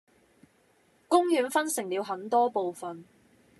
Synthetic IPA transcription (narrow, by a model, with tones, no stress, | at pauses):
kʊ˥ŋjyː˨˧˥nfɐ˥nsɪ˨˩ŋliː˨˧wɦɐ˨˥nt̪ɔː˥po˨wfɐ˨n